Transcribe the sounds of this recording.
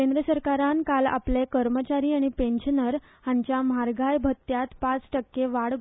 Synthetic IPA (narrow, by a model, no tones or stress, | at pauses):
kẽnd̪ɾəsəɾkaɾankala̰plekəɾmət͡ɕaɾiːaɽ̃ipẽnɕnəɾ | haɲt͡ɕjamaɾɡʱajbʱət̪ːjat̪pat͡sʈəkːeʋaɽ